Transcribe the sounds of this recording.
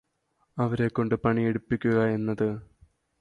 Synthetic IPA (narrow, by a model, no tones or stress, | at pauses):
ɐʋɐɾe̞kːo̞ɳɖɨpɐɳieɽupːikʲːuɣɐe̞nːɐðɨ